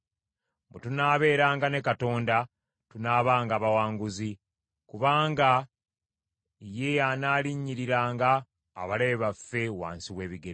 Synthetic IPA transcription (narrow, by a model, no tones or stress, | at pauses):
butunaːβe̞ːɾaːŋɡane̞kato̞ːnda | tunaːβaːŋɡaːβawaːŋɡuzi | kuβaːŋɡa | je̞janaːliɲːiɾiɾaːŋɡa̰ː | βaleβafːe̞wa̰ːnsiwe̞ːβiɡeɾ